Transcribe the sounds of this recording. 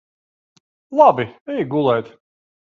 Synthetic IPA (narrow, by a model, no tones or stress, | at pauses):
lˠabiɛjɡulˠɛjt̪